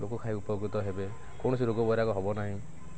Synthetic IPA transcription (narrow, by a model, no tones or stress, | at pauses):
ɾoɡɔkʰaɦiupɔɡɾut̪ɔɦebe | kɔɳɔs̬iɾoɡɔbɔjɾakɔɦɔbɔnaɦĩ